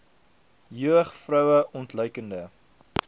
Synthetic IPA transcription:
jøəχfrœwəʔɔntlœɥkəndə

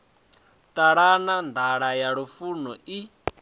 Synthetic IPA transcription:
tʼaɺanand̪ʱaɺajaɺufunɔi

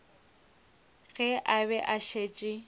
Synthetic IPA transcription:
ɣɛʔaβɛʔaʃet͡ʃʼɪ

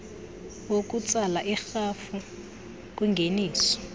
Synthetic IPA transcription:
wokʼut͡sʼalaʔixafu | kʼwiŋɡʱeniːsɔ̥

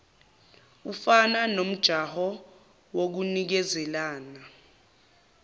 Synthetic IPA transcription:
ufananom̩d̥ʒ̥ʱahɔ | wok̬unik̬ɛzɛlaːna

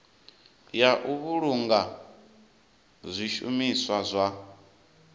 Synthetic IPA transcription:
jaʔuβuɺuŋɡa | zʷiʃṵmiswazʷa

